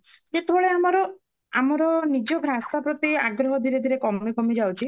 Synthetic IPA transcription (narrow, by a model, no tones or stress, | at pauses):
d͡ʒet̪ebɔɭeamɔɾɔ | amɔɾɔnid͡ʒɔbʱɾasapɾɔt̪ia̰ɡɾɔɦɔd̪ʱiɾed̪ʱiɾekɔmikɔmid͡ʒawt͡ʃʰi